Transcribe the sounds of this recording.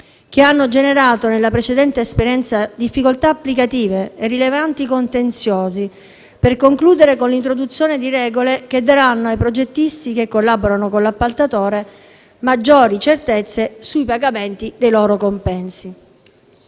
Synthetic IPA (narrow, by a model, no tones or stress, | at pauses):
k̟eanːod͡ʒeneɾaːt̪onelːapɾet͡ʃed̪ɛnt̪eːspeɾjɛnt̪sad̪ifːikolt̪aːpːlikat̪iːveːrːilevant̪ikont̪ent̪sjoːzi | perkoŋkluːd̪eɾekonlint̪ɾod̪ut̪sːjoːned̪iɾɛːɡolek̟ed̪ːaɾanːoajpɾod͡ʒet̪ːist̪ikekːolːaboɾanokonlapːalt̪at̪oːɾe | mad͡ʒːoːɾit͡ʃert̪et̪sːesujpaɡament̪id̪ejlɔːɾokompɛnsi